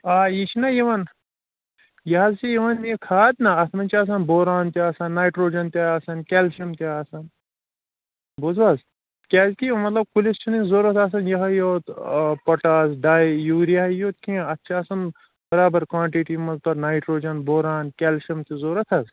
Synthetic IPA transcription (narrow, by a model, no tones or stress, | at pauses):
aːjit͡ʃʰinɐjiʋɐn | jɐɦɐzsijɐʋɐnikʰaːd̪nɐɐt̪mɐnt͡ʃʰiaːs̬ɐnboːɾaːnt̪iaːsɐnːaːjʈɾoːd͡ʒɐnt̪aaːsɐnkʲɛːlʃɐmt̪eɐːsɐn | bozʋaz | kʲɛːzkimɐt̪lɐb̚kulist͡ʃʰinizoːɾɐt̪ʰaːs̬ɐnjɐɦɐjoːt̪pɐʈaːsɖaːjjuːɾjɐɦɐjoːt̪̚kĩɐtːʃʰaɐsɐn | bɐɾaːbɐɾkwãːɳʈiʈimɐzlɐbnaːjʈɾoːd͡ʒɐnboːɾaːnkʲɛlʃɐmt̪izoːɾɐt̪ʰɐz